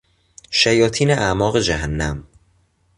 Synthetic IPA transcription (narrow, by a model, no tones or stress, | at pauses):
ʃæjɒːt̪ʰiːneʔæmɒːɣe̞d͡ʒæɦænːæm